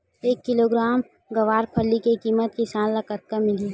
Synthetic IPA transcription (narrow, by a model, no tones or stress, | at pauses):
eːkːɪloɡɾaːm | ɡɐʋaːɾpʰəlːikekiːmət̪̚kisaːnlɐkət̪̚kamɪli